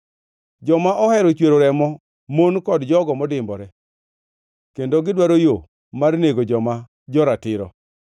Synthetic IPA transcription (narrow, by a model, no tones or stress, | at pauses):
d͡ʒɔmaʔɔhɛɾɔt͡ʃweɾoɾɛmɔ | monkɔdd͡ʒɔɡɔmɔdɪmbɔɾɛ | kendoɡɪdwaɾojo | marneɡod͡ʒɔma | d͡ʒɔɾatɪɾɔ̰